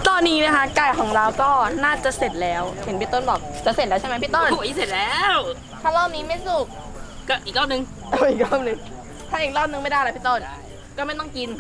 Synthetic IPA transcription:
t̪ɔː˧nːiː˦˥na˦˥kʰa˦˥ka˨˩jkʰɔː˩˦ŋɾa˧wkɔː˥˩naː˥˩t͡ɕa˨˩se˨˩t̪̚lɛː˦˥whe˨˩˦npi˦˧˩t̪o˥˩nbɔː˨˩k̚t͡ɕa˨˩se˨˩lɛː˦˥t͡ɕʰa˥˩jm˦˥pʰiː˥˩t̪o˥˩n˧˦˨se˨˩t̪̚lɛː˦˥w | tʰaː˧˥˩lɔː˥˩m̚niː˦˥ma˥˩jsu˨˩k̚ | kɔː˥˩ʔi˨˩k̚lɔː˥˩mnɯ˧ŋ | ʔa˨˧˩ʔi˨˩k̚lɔː˥˩mnɯ˨˧˦ŋ | t̪ʰaː˥˨ʔi˨˩k̚lɔː˥˩m̚nɯ˧ŋma˥˩jda˥˩jla˦pi˥˩t̪o˥˩n | kɔː˥˩ma˥˩j̪ɔ˥˩ŋki˧n

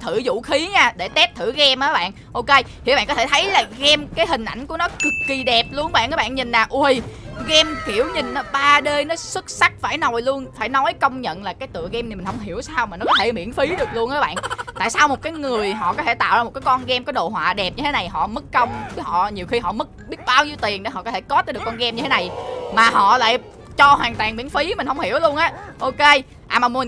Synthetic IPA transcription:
t̪ʰɨ˧˩zṵ˧˨xi˨˦ɲaː˧ɗe˧˩t̪ɛ˦˥p̚t̪ʰɨ˧˩ɣɛ˧mʔəː˨˦ɓa̰ː˧˨n | ʔo˧ke˧j̪ | i˨ɓa̰ː˧˨kɔ˦t̪ʰe˧˩t̪ʰə˨˦jlaː˨˩ɣɛ˧mkaː˨˦jɦï˨˩ŋ̟ʔa˧˩jŋ̟ku˧˩ənɔ˨˦kɨ˨˩kːi˧˩ɗɛ˨˩p̚lu˧ənɓa̰ː˧˨nʔəː˨˦ɓaː˧˨nɲi˨˩n̟laː˨˩ʔu˧əjɣɛ˧mki˧˩əwɲi˨˩ŋn̟ʔɔ˨˦ɓaː˧ɗeː˧jnɔ˨˦swɨ˦˥k̚sa˦˥k̚faː˧˩jnɔ˨˩jlu˧ənfaː˧˩jnɔ˨˦jkə˧wŋ͡mɲə̰˧˨nlaː˨˩kaː˨˦jt̪ɨ̰˧˨əɣɛ˧mni˨˩ï˨˩ŋ̟hə˧wŋ͡mɦi˧˩əwsaː˧wmaː˨˩nɔ˦kɔ˨˦t̪ʰe˧˩mḭ˧˥ənfi˨˦ɗɨ˨˩ək̚lu˧ənʔəː˨˦ɓa̰ː˧˨nt̪a̰ː˧˨jsaː˧wmo˨˩t̚kaː˨˦jŋɨ˨˩əjɦɔ̰˧˨kɔ˨˦t̪ʰe˧˩t̪a̰ː˧˨wzaː˧o˨˩t̚kaː˨˦jkɔ˧nɣɛ˧mkɔː˨˦jɗo̰˧˨ɦwa̰ː˧˨ɗɛ˨˩p̚ɲɨ˧t̪ʰe˨˦na˨˩jɦɔ̰˧˨mɨ˦˥k̚ːə˧wŋ͡mhɔ̰˧˨ɲi˨˩əwxi˧ɦɔ̰˧˨mɨ˦˥k̚ɓi˦˥ət̚ɓaː˧wɲi˧wt̪i˨˩əŋnɗo˨˦ɦɔ̰˧˨kɔ˦tʰe˧˩kɔ˦˥t̪̚ːɗɨ˨˩kːɔ˧nɣɛ˧mɲɨ˧t̪ʰe˨˦na˨˩jmaː˨˩ɦɔ̰˧˨la̰ː˧˨j | t͡ɕɔ˧hwaː˨˩ŋt̪waː˨˩ŋmwi˧˥ənfi˨˦mi˨˩ŋ̟hə˧wŋ͡mhi˧˩əwlu˧ənʔaː˨˦ʔo˧ke˧ | ʔaː˨˩maː˨˩mi˨˩ŋ

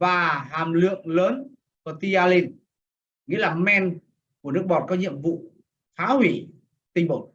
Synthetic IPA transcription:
vaː˨˩ɦaː˨˩mlɨ̰˧˨əŋləː˨˦n | fə˧˨˩t̪i˧aː˧li˧n | ŋḭ˧˥laː˨˩mɛ˧n | ku˧˩ənɨ˦˥ək̚ɓɔ˨˩t̚kɔ˨˦ɲḭ˧˨əmvṵ˧˨ | faː˨˦hwi˧˩ | t̪ï˧ŋ̟ɓo˨˧˩

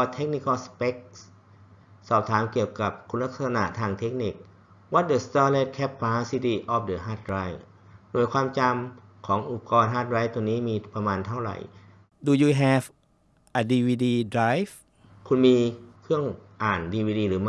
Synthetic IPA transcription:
pɔː˧t̪ʰe˦˥k̚ni˧kʰa˧spe˦˥k̚s | sɔː˨˩p̚t̪ʰaː˩˦mki˨˩əwka˨˩p̚kʰu˧nla˦˥k̚sa˧sa˧na̰˧˩ʔt̪ʰaː˧ŋt̪ʰe˦˥k̚ni˧˥˩k̚ | wɔ˦t̪̚də˨˧˩st̪aː˧le˦˥˩t̪̚kʰɛ˦˥pːaː˧˥si˧t̪iː˧˩ʔɔː˧p̚də˨˩ɦaː˧˥˩t̪̚ɾaː˧˥˩j | duː˨˩əjkʰwaː˧mt͡ɕa˧mkʰɔː˩˦ŋʔu˨˧˩pkɔː˧nɦaː˦˥˩t̪̚ɾaː˦˥˩jt̪u˧niː˦˥˨miː˧pa˧maː˧nt̪ʰa˥˩wɾa̰˨˩j | duː˨˩juː˧ɦɛː˧f | ʔa˨˧diː˧wiː˧diː˧dɾaː˦˧˥jf | kʰu˧nmiː˧kʰɯ˥˩əŋʔaː˨˩ndiː˧wiː˧diː˧ɾɯː˩˦m˥

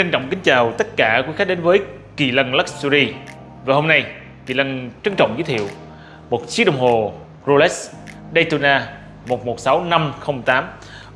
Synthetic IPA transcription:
t͡ɕə˧nt͡ɕɔ̰˧˨wŋ͡mkï˨˦ŋ̟t͡ɕaː˨˩wt̪ə˦˥t̚kaː˧˩kwi˨˦˥xa˦˥k̚ɗe˨˦nvəː˨˦j | kḭ˨˩lə˧nlə˦˥k̚su˧zi˧ | vaː˨˩ho˧mna˧j | ki˨˩lə˧nt͡ɕə˧ŋt͡ɕɔ̰˧˨wŋ͡mzə˨˦t̪ʰḭ˧˨w | mo˨˩t̚si˨˦˥ɗwŋ͡mɦo˨˩ | zo˧lɛ˦˥s | ɗe˧t̪u˧naː˧ | mo˨˩t̚mo˨˩t̚sa˨˦wna˧mxə˧wŋ͡mt̪aː˨˦m

